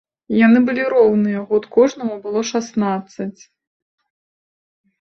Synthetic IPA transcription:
janɨbɨlʲiɾɔwnɨjɛɣɔt̪kɔʐnɐmubɨlˠɔʂasnat̪sːɐt͡sʲ

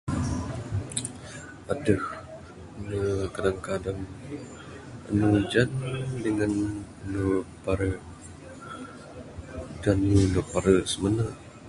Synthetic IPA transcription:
adəh | nəkadaŋkadaŋ | ə̰nud͡ʒandəŋanənupaɾəʔ | danunupaɾəʔsəmənəʔ

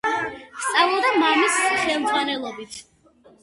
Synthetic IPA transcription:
st̪sʼavlˠɔd̪amamisχɛmd̪zʁwanɛlˠɔbit̪ʰ

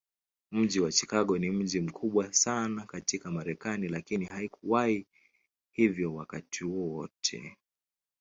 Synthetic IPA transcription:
m̩ʄiwat͡ʃi̥kaɠɔnim̩ʄim̩kʰuɓwasanakatikamaɾɛkanilakinihaikuwai | hivjɔwakatʰihuɔwɔtʰɛ̰

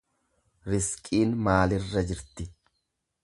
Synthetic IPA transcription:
ɾɪskʼiːnmaːlɪrːɐd͡ʒɪɾt̪ɪ

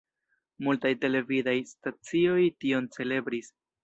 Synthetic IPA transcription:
multajte̞le̞vidajstat͡sio̞jtio̞nt͡se̞le̞bɾis

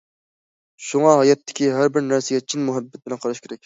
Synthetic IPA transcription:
ʃuŋɑɦɑjɛt̪ʰːɪ̥kʲiɦæɾbɪɾnæɾsɪɡʲɛt͡ʃʰinmuɦɛbːɛt̪̚bɪlɛnqʰɑɾɑʃkʲeɾɛkʲ

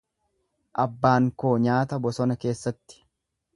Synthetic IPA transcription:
ʔɐbːaːŋko̞ːɲaːt̪ɐbɔsɔnɐke̞ːsːɐt̪ːɪ̥

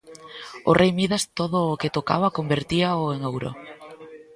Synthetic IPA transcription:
ʊ̰rʔejmiðast̪oðʊːket̪okaβakombeɾt̪iaoeŋowɾo̰

